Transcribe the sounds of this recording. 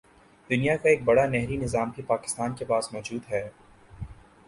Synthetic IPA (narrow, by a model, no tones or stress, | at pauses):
d̪ʊnijakaeːk̚bɐɽanɛɦɾinɪzaːmbʱipaːkɪ̥st̪aːnkepaːsmɔːd͡ʒuːd̪ɦɛː